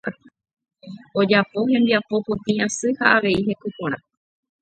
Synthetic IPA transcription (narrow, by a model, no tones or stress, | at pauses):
o̞d͡ʒapo̞ɦẽ̞nd̪iapo̞põt̪ĩãsɨhaaʋe̞iɦe̞kukõɾ̃ã